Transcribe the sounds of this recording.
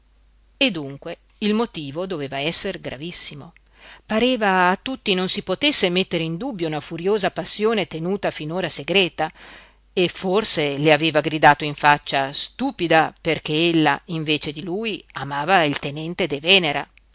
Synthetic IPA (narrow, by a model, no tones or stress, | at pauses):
ed̪ːuŋkwe | ilmot̪iːvod̪oveːvaɛsːerɡɾa̰visːimo | paɾeːvaːt̪ːut̪ːinonsipot̪esːemet̪ːeɾeind̪ubːjounafuɾjoːzapasːjoːnet̪enuːt̪afinoːɾaseɡɾɛːt̪a | efːorseleaveːvaɡɾid̪aːt̪oiɱfat͡ʃːast̪uːpid̪aperk̟eelːa̰iɱveːt͡ʃed̪iluːjamaːvailt̪enɛnt̪ed̪evɛːneɾa̰